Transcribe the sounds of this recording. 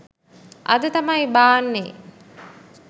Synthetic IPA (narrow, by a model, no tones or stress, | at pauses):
ʔɐd̪ət̪ɐmɐjbaːnːeː